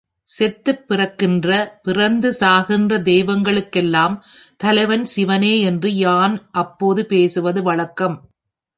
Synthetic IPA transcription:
sɛt̪ːɯpːɪrɐkːɪndrɐpɪrɐnd̪ɯsaːɣɪndrɐd̪ɛjʋɐŋɡɐɭɯkːɛlːaːmt̪ɐlɐɪʋɐnsɪʋɐneːɛndrɯjaːnʔɐpːoːðɯpeːsɯʋɐðɯʋɐɭɐkːɐm

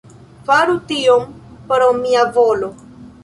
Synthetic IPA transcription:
faɾutiompɾomiavolo

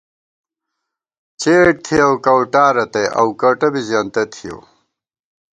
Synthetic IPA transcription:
t͡ɕeːʈ̚t̪ʰiɐwkɐwʈaːɾɐt̪eʔɐ̰wkɐwʈɐbizjaːnt̪ɐt̪ʰijo̰ː

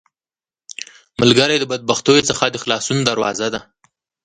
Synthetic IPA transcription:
məlɡaɾajd̪əbad̪̚baxt̪ojot͡səxad̪əxlɑsunod̪aɾwɑ̰zad̪a

